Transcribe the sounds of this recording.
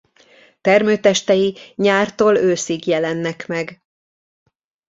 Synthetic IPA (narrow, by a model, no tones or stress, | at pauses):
t̪ɛrmøːt̪ɛʃt̪ɛjiɲaːrt̪oːløːsiɡjɛlɛnːɛkmɛɡ